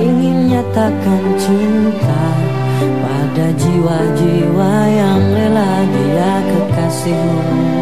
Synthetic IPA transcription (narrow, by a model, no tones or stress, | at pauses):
iŋɪnɲat̪akant͡ʃint̪a | padad͡ʒiwad͡ʒiwajaŋlɛladiakəkasih